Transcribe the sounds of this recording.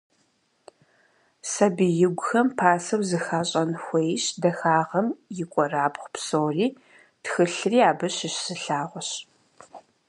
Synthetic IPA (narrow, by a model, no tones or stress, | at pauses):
sɐbɨjɪɡʷʊxɐmpʰaːsɐwzɨxaːɕʼɐnxʷejɕdɐxaːʁɐmjɪkʷʼɔraːpχʷpsoːwriː | txɨɬɨriːaːbɨɕɪɕsɨɬaːʁʷɔɕ